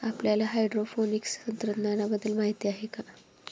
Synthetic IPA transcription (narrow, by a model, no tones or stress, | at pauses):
apljalaɦajɖɾofonikstənt̪ɾət̪nanabəd̪ːəlmaɦit̪iaɦeka